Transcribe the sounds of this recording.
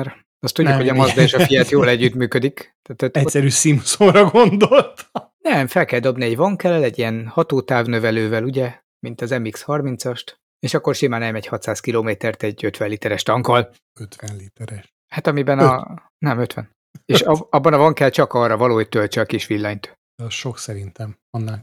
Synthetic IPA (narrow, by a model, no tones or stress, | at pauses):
ɛɾ | ɒst̪uɟːukho̞ɟɒmɒzd̪ɒeːʃɒfijɛt̪joːlɛɟːyt̪myːkød̪ikt̪aːt̪ɛɛsɛɾyːsimsorɒɡond̪olt̪nɛmfɛlkɛld̪o̞bniɛɟvɒŋkɛlɛlɛɟːijɛnhɒt̪oːt̪aːvnø̞vɛløːvɛluɟɛ | mint̪ɒzɛmikshɒrmint̪sɒʃt̪ | eːʃɒkːo̞rʃimaːnɛlmɛɟhɒt̪saːskiloːmeːt̪ɛrt̪ɛɟøt̪ʋɛnlit̪ɛɾɛʃt̪ɒŋkɒl | øt̪ʋɛnlit̪ɛɾɛʃ | hat̪ɒmibɛn | nɛmøt̪ʋɛ̰n | eːʃɒbːɒnɒvɒŋkɛlt͡ʃɒkɒːrːɒvɒloːhoc̚t̪ølt͡ʃɛɒkiʃʋilːɒɲt̪ | ʃoksɛɾint̪ɛm | ɒnːaː